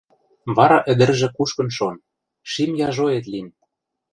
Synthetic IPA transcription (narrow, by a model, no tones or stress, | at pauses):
βɑɾɑʔə̆d̪ɘ̆rʒĕkuʃkɤ̆nʃon | ʃimjɑʒoet̪lim